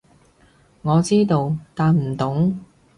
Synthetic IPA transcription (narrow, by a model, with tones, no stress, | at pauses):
ŋɔː˨˧t͡siː˥t̪o˧wt̪aː˨nm̩˨˩t̪ʊ˨˥ŋ